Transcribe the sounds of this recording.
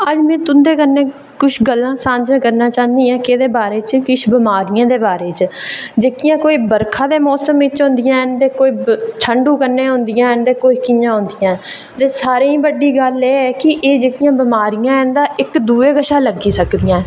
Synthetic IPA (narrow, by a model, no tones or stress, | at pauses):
əd͡ʒmɛ̃ːt̪ʊnd̪eːkənːẽː | kʊʃʰɡəlːãːsãːɲd͡ʒãːkəɾnaːt͡ʃãːnd̪iːãːkeːd̪eːbaːɾeːt͡ʃkɪʃʰbɪmaːɾɪjãːd̪eːbaːɾeːt͡ʃd͡ʒeːkɪjãːkoːiːbəɾkʰãːd̪eːmɔːsəmʋɪt͡ʃɦʊ̃nd̪ɪjãːnt̪eːkoːiːʈʰəɳɖũːkənːeːɦʊ̃nd̪ɪjãːnd̪eːkoːiːkɪjãːɦʊ̃nd̪ɪjãː | t̪eːsaːɾẽːĩːbəɖːiːɡəleːɛːkɪʔeːd͡ʒeːkɪjãːbɪmaːɾɪjãːɛnd̪aːʔɪkd̪uːeːɡəʃaːləɡiːsəkd̪ijãː